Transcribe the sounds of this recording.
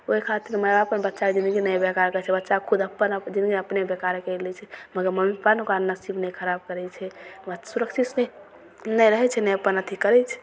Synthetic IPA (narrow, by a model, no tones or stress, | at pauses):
oikʰat̪iɾməbaəpənbətːʃaked͡ʒind̪ɡinəjbekaɾkət͡ʃʰɛbətːʃakʰud̪əpːənd͡ʒind̪ɡinəpnebekaɾkɛlɛt͡ʃʰɛməɡəɾməmipanukaɾnəsibnɛjkʰəɾab̚kəɾɛt͡ʃʰɛəsuɾəkʃit̪nɛ | nɛjɾəɦɛt͡ʃʰɛnɛjəpːənət̪ʰikəɾɛt͡ʃʰɛ̥